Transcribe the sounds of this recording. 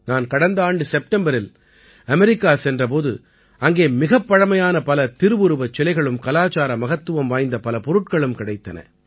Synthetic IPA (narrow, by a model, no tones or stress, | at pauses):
naːnkɐɽɐnd̪ɐaːɳɖɯsɛp̚ʈɛmbɐɾɪl | ɐmɛɾɪkːaːsɛndrɐp̬oːðɯ̰ | ɐŋɡeːmɪɣɐpːɐɻɐmɐjaːnɐpɐlɐt̪ɪɾɯʋɯɾɯʋɐt͡ʃːɪlɐɪɣɐɭɯmkɐlaːt͡ʃaːɾɐmɐɣɐt̪ːɯʋɐmʋaːjnd̪ɐpɐlɐpɔɾɯʈ̚kɐɭɯmkɪɽɐɪt̪ːɐnɐ̰